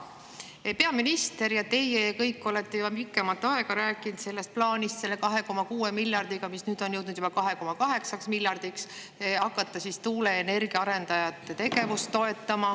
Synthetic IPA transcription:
peɑminist̪e̞ɾjɑt̪e̞jekɤjkːo̞let̪ːe̞jubɑmikːˑemɑlt̪ːˑɑe̞ɡ̥ɑɾæːkːˑint̪se̞lːe̞st̪̚plɑːnʲist̪se̞lːe̞kɑɦe̞ko̞mɑkuːe̞milʲːjɑrd̪̥iɡ̥ɑmisnyːd̪̥o̞njɤwd̪nud̪jub̥ɑkɑɦe̞ko̞mɑkɑɦe̞ksɑksmilʲjɑrd̪̥iks | ɑkːˑɑt̪ːˑɑsist̪uːle̞ːne̞rɡ̥iɑɑɾe̞nd̪̥ɑjɑt̪ːˑet̪e̞ɡ̥e̞vust̪ːo̞e̞t̪ːˑɑmɑ

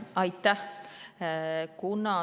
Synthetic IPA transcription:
ɑjt̪ːa | kunɑ

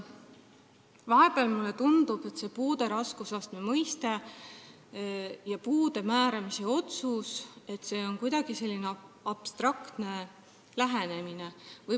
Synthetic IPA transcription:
vɑɦe̞b̥eɑlmulːe̞t̪und̪ub̥e̞t̪ːse̞ːpuːd̪̥e̞ɾɑskusɑst̪memɤjst̪e | jɑpuːd̪e̞mæːɾɑmise̞o̞t̪suse̞t̪ːˑse̞ːo̞nkujd̪ɑɡ̥ise̞lːineɑb̥st̪rɑkt̪ne̞ | læɦene̞mine̞vɤj

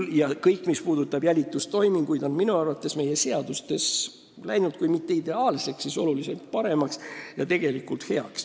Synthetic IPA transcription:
jɑkɤjkːˑmispuːd̪ut̪ːˑɑb̥jælʲit̪ːˑust̪o̞jmiŋɡ̥ujd̪̥o̞nminuɑrvɑt̪ːˑe̞sme̞je̞se̞ɑd̪ust̪e̞s | læjnud̪̥̚kujmit̪ːe̞id̪e̞ɑːlse̞ksːiso̞lulise̞lt̪̚pɑɾe̞mɑksjɑt̪e̞ɡ̥e̞likult̪he̞ɑks

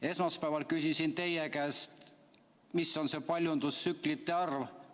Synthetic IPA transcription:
e̞smɑspæevɑlkysʲisint̪e̞jekæːst̪ | misːo̞nse̞pɑlʲjund̪̥usːyklit̪ːe̞ɑrv

